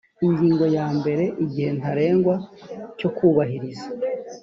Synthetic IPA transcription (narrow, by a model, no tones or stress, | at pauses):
iɲɟiːŋɡo̞jaːmbe̞ɾe̞ʔiɟihe̞ntaɾe̞ːŋɡwaco̞kuːβaɦiɾiza